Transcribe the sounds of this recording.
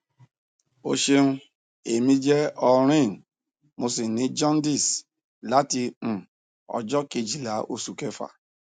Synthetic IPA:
o˧ʃe˧nũ˦ | e˨mĩ˧d͡ʒɛ˦ɔ˧ɾ̃ĩ˦˨ | mo˧si˨nĩ˨˦d͡ʒɔ̃˦n˦di˦˨s | la˨˦tĩ˧˨ | ɔ̰˧d͡ʒɔ˦ke˧d͡ʒi˨la˨˦o̰˧su˨ke˦fa̰˨

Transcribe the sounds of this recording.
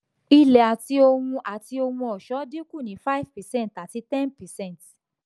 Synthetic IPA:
i˧lɛ˨a˨ti˧o˧wũ˧ʔa˨ti˧o˧wũ˧ɔ˨ʃɔ˨˦di˦ku˦˨nĩ˨˦fa˦i˦vpɛ˨sɛ̃˦˨nta˨ti˧˦tɛ̃˦npɛ˨sɛ̃˦n˨t

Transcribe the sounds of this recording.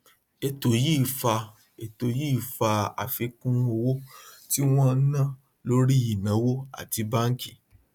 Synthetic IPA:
e˨to˨ji˦˨fa˧ | e˨to˨ji˦˨fa˧a̰˨fe˨˦kũ˦o˧wo˦ti˦w̃ɔ̃˦nã˦˨ | lo˦ɾi˦i˨nã˨˦wo˦a̰˨ti˨˦ba˦ŋ̩˦ki̥˨

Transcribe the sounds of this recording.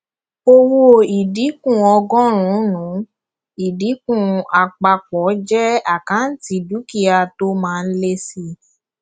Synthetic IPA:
o˧wo˦i˨di˨˦kũ˦˨ɔ˧ɡɔ̃˦ɾ̃ũ˨˦nũ˨˦ | i˨di˨˦kũ˦˧˨a˨k͡pa˧k͡pɔ˨˦d͡ʒɛ˦a˦˨kã˨˦n̩˦ti˧˦du˨˦ki˦a˧to˦mãː˨˦˧n̩˦le˦si˧

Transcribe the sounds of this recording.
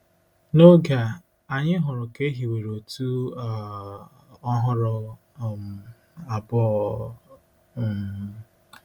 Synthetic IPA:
no˦ɡa˨ | a˨ɲɪ˦ɦʊ˨ɾʊ˨ke˦ɦi˨we˨ɾo˨tu˦˨ | ɔ˦ɦʊ˦ɾʊ˨ | m̩˨ | a˨bʊ˦˨

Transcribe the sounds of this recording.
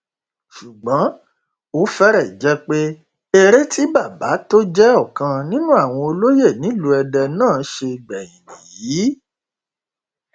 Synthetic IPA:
ʃu˨ɡ͡bã˨˦ | o˨˦fɛ˦ɾɛ˦˨d͡ʒɛ˦k͡pe˦ | e˧ɾe˦tʰi˦ba˦˨ba˨˦to˦d͡ʒɛ˦ɔ˦˨kã˧nĩ˦nũ˦a˦˨w̃ɔ̃˧o˧lo˦je˦˨nĩ˨˦lu˧ɛ˧dɛ˧nãː˦˨˦ʃe˧ɡ͡bɛ˨j̃ĩ˨nḭ̃˨jiː˨˦

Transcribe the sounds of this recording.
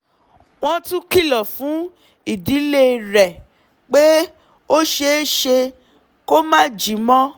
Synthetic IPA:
w̃ɔ̃˦˧tũ˦ki˦˨lɔ˨fũ˨˦ | i˨di˨˦le˦ɾɛ˨ | k͡pe˦ | o˦ʃe˧˦ʃe˧ | ko˦mã˦˨d͡ʒi˨˦mɔ̃˦

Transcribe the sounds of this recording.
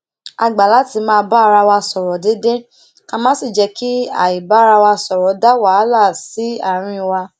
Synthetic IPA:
a˧ɡ͡ba˨la˨˦ti˧˦mãː˧ba˦˧ɾa˧wa˧sɔ˨ɾɔ˨de˦de˦ | ka˧mãː˦si˦˨d͡ʒɛ˧ki˦a̰˦˨i˨ba˨˦˧ɾa˧wa˧sɔ˨ɾɔ˨˦da˦wa˨˦la˦˨si˨˦a˦˨ɾ̃ĩ˧wa˧

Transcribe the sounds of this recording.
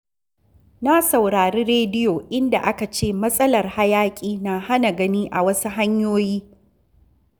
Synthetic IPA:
na˦sɐ˨wɽaː˨ɾiː˦ɾeː˦dɪ˦jo˨ʔɪ˦nda̰˨ʔa˦ka˨t͡ʃeː˦˨mɐ˦sʼɐ˦lɐ˨rha˦jaː˦kʲʼiː˦na˨ha˦na˨ɡɐ˦niː˦ʔa̰˨wɐ˦su˦ɦa˦ɲjoː˦jiː˦

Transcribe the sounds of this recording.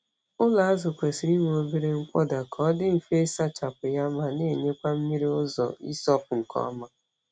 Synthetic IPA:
ʊ˦la˨a˦zʊ˨kʷe˨si˨ɾi˦me˨o˦bi˦ɾe˦ŋ̩˦k͡pʷɔ˦da˨kʰɔ˦dɪ˦m̩˨fe˦sa˦t͡ʃa˨pʊ˨ja˦ma˨ne˦˨ɲe˦kʷa˦m̩˦mi˦ɾi˦ʊ˦zɔ̰˨ḭ˦sɔ˦pʊ˨ŋ̩˨kʰɔ̰˦ma˨

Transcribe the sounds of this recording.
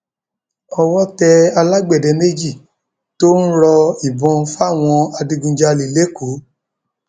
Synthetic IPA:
ɔ˧wɔ˦tɛ˧a˧la˦ɡ͡bɛ˦˨dɛ˧ne˦d͡ʒi˦˨ | to˦n̩˦ɾɔ˧i˨bɔ̃˧fa˦˨w̃ɔ̃˧a˧dĩ˧ɡũ˧d͡ʒa˧li˨le˦ku˨˦

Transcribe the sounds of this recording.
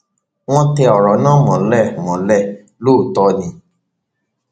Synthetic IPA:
w̃ɔ̃˦tɛ˧ɔ˨ɾɔ˨˦nãː˦mɔ̃˨lɛ˦˨mɔ̃˨lɛ˦˨ | lo˦˨tɔ˧nĩ˧

